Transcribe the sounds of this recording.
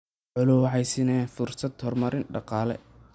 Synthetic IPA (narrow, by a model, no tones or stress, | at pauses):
ʕʊlʊwħɑjsɪnɛːnfʊrsɐd̪hɔrmɐɾɪnɖɑqɑːlɛ̰